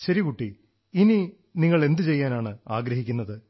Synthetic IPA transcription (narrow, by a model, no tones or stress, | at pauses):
ɕɐɾikuʈːi | ini | niŋːɐɭe̞nd̪ɨt͡ɕe̞jːaːnaːɳɨaːɡɾɐɦikʲːunːɐðɨ